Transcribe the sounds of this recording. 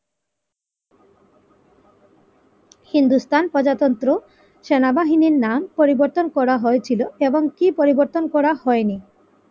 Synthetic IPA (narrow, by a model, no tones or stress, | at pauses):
hind̪ust̪anpɔd͡ʑat̪ɔnt̪ɾo | ʃenabaɦiniɾnampoɾiboɾt̪onkɔɾaɦoet͡ɕʰiloeboŋkipoɾiboɾt̪onkɔɾahɔeni